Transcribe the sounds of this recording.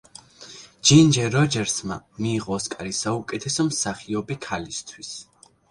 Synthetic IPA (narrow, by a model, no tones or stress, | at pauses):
d͡ʒind͡ʒɛɾɔd͡ʒɛɾsmamiːʁɔːskʼaɾisaukʼɛt̪ʰɛsɔmsaχiɔbikʰalist̪ʰwis